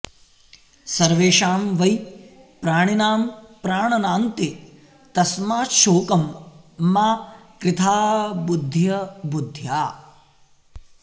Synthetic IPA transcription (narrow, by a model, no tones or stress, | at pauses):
sɐɾʋeːʃaːmʋɐj | pɾaːɳ̃inaːmpɾaːɳɐnaːnt̪i | t̪ɐsmaːʃoːkɐmː | aːkɾɪt̪ʰaːbud̪ʱːjɐbud̪ʱjaː